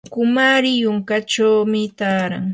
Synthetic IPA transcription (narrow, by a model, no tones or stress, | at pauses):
kʊmaɾɪjʊŋkat͡ʃawmɪt̪aːɾa̰ŋ